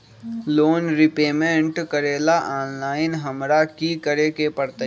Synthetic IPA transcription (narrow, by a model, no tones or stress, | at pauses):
loːnɾɪpeːmẽɳʈkəɾeːlaʔaːnlaːɪnɦɐmɾakikəɾekepəɾt̪ə